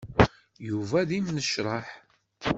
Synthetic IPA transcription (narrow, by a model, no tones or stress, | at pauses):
juvæðimnəʃɾˤɑħ